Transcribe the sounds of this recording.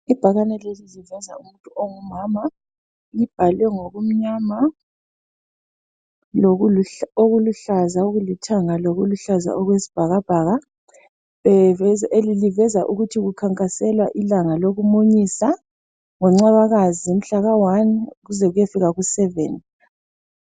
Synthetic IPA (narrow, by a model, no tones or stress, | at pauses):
ib̥ʱaɣanɛlelilivɛza̰um̩tʼuʔoŋumaːma | lib̥ʱalwɛŋoɣum̩ɲama | loɣuloɣuluɬazaoɣulitʰaŋaloɣuluɬaza̰ʔɔɣwesi̥b̥ʱaɣab̥ʱaːɣa | βɛelilivɛzaʔuɣutʰiɣukʰaŋkʼasɛlwaʔilaŋaloɣumoɲiːsa | ŋɔŋ͡ǀaβaɣazim̩ɬaɣawanɣuzɛɣujefiɣaɣusɛvɛ̰ːni